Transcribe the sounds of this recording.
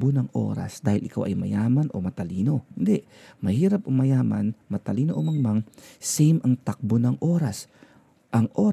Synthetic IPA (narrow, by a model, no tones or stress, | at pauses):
bonɐŋʔo̰ːɾa̰sd̪aːhɪlʔɪkawʔɐ̰jmɐ̰jaːmɐnʔo̰mɐt̪ɐliːno̞hɪnd̪ɛʔ | mɐhiːɾɐpʔomɐjaːmɐ̰nmɐt̪ɐliːnoʔomɐŋmaŋsɛjmʔɐŋt̪ak̚bonɐŋʔoːɾɐs | ʔɐŋʔoː